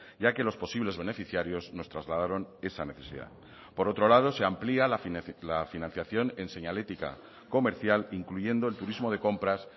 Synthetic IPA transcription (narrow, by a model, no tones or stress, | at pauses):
ʝake̞lo̞spo̞siβle̞zβe̞ne̞fiθjaɾjo̞zno̞st̪ɾazlaðaɾo̞ne̞sane̞θe̞sḭða̰ | po̞ɾo̞t̪ɾo̞lað̞o̞se̞amplialalafinãn̟θjaθjo̞ne̞nse̞ɲale̞t̪ika̰ | ko̞me̞ɾθjaliŋkluʝe̞nd̪oe̞lt̪uɾizmo̞ð̞eko̞mpɾas